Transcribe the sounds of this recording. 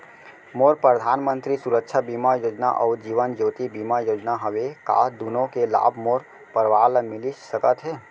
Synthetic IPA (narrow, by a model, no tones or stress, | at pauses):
moːɾpɾəd̪ʱaːnmə̃nt̪ɾisuɾəkʃʰabimajoːd͡ʒna̰ʔɔːɾd͡ʒiːʋənd͡ʒoːt̪ibimajoːd͡ʒnaɦəʋeka̰d̪unõkela̰ːbʱmoːɾ | pəɾʋaːlmɪlisəkət̪ɦɛː